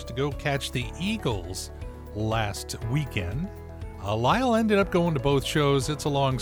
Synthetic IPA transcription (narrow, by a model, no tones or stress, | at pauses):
tʰɨɡoʊkʰæt͡ʃðiʔiɡl̩ˠz̥ | læstwikʰɛ̰̃nd | əlaɪl̩ˠɛ̃ndɨɾʌp̚ɡ̥oʊɪ̃ŋtɨboʊθʃoʊzɨtsəlɔ̃ŋ